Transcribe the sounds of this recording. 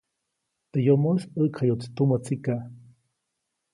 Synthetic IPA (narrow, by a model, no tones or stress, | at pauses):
t̪ejomosəkʰajot͡si̥t̪umat͡sika